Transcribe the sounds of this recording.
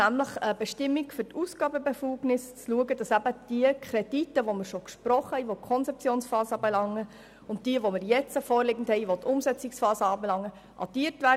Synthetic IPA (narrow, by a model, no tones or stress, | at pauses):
æmləχəb̥ɛʃtɪmːikfʏtusɡ̥ɑːbəbefuːɡnɪst͡sluəɡəd̥ɑsæbəd̥iəkʰɾɛd̥itːəʋoməɾʃokʃpɾɔχəhɛɪʋokʰɔnt͡sɛp̚t͡sjoːnsfɑːsəbelɑŋːə | ʊnt̚d̥iəʋomɪɾjɛt͡səfɔːɾlɪɡən̩thɛɪʋotʰʊmsɛt͡sɪksfɑːsəɑːbelɑŋːə | ʔɑ̰d̥iːtvʋæ